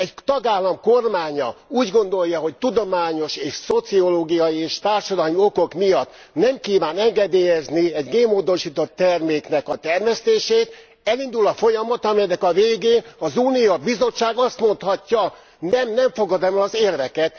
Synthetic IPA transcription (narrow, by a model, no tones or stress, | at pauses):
ɛct̪ɒɡaːlːɒmkormaːɲɒ̰uːɟɡo̞nd̪o̞jːɒɦo̞ct̪ud̪o̞maːɲo̞ʃeːʃso̞t̪sio̞loːɡijɒjieːʃt̪aːrʃɒd̪ɒmio̞ko̞kmijɒt̪ | nɛmkiːvaːnɛŋɡɛd̪eːjɛzniɛɟɡeːmːoːd̪o̞ʃiːt̪o̞t̪ːɛrmeːknɛkɒt̪ɛrmɛst̪eːʃeːt̪ | ɛlind̪ulɒfo̞jɒmɒt̪ɒmijɛnːɛkɒveːɡeːnɒzuːnijobizo̞t͡ʃːaːɡɒst̪mo̞nt̪hɒcːɒ | nɛmnɛɱfo̞ɡɒd̪ɛmɛlɒzeːrvɛkɛt̪